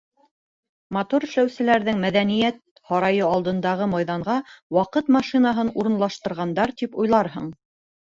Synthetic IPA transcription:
mɐt̪oɾɵ̆ʃlæwsɘ̆læɾðɘŋmæðænijæt̪̚ | hɑɾɑjɤɑlˠd̪ɤ̆nd̪ɑʁɤmɑjðɑɴɢɑwɑqɤt̪mɑʃinɑɦɤnuɾɤ̆nlˠɑʃt̪ɤ̆ɾʁɑnd̪ɑɾt̪ipujlˠɑɾɦɤ̰ɴ

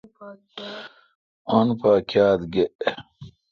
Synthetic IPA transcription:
ɐnpaːkjaːt̪ɡeʔ

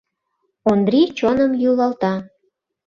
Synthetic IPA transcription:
ond̪rit͡ɕonəmjulɑlt̪ɑ

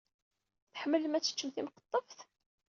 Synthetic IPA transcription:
θħəmːələmæt͡sːə̥t͡ʃːəmθimqə̥t̪ˤːəfθ

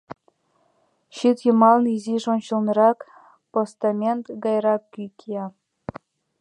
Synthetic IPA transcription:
ɕit̪jɤmɑlnɤiziʒont͡ɕɤ̆lnɤɾɑk | post̪ɑmʲent̪ɡɑjɾɑkʲːykʲʰiɑ

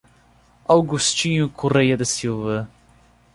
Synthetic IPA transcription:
awɡust͡ʃiɲukʰuɾɛjɐd̪əsilˠvə

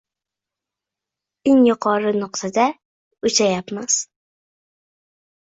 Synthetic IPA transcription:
ɪŋjʊqʰɒɾɨnʊqt̪ʰad̪a | ʊt͡ʃajapmas

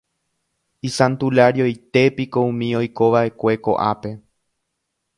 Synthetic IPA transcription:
isãnt̪ulaɾjojt̪e̞pikoũmĩo̞jko̞ʋaʔe̞kʷe̞ko̞̰ʔa̰pe̞

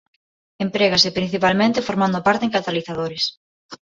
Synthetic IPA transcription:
empɾeɣasepɾin̟θipalmẽnt̪ɪfoɾmãnd̪opaɾt̪eŋkat̪aliθaðoɾes

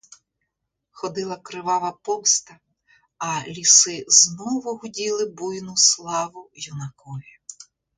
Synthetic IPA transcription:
xɔd̪ɪlˠɐkɾɪʋɑʋɐpɔwst̪ɐ | ɐlʲisɪznɔʋʊɦʊdʲilˠɪbujnʊslˠɑʋʊjɔnɐkɔlʲi

